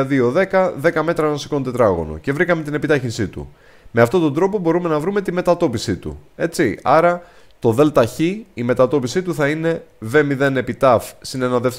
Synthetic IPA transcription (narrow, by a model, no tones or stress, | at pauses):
ðio̞ðe̞kɐðe̞kɐme̞t̪ɾɐnɐsi̥ko̞nt̪et̪ɾɐɣo̞̰no̰ce̞vɾikɐme̞t̪ine̞pit̪ɐçinsit̪ṵ | me̞ɐft̪o̞t̪o̞nd̪ɾo̞po̞bo̞ɾume̞nɐvɾume̞t̪ime̞t̪ɐt̪o̞pisit̪ṵe̞t͡siɐɾɐ | t̪o̞ðe̞lt̪ɐçiːme̞t̪ɐt̪o̞pisit̪uθɐine̞ve̞miðe̞ne̞pit̪ɐfsinenɐðeft̪